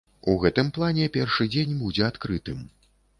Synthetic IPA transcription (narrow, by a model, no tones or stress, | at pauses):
uɣɛt̪ɨmplˠanʲɛpʲɛrʂɨd͡zʲenʲbud͡zʲɛat̪kɾɨt̪ɨm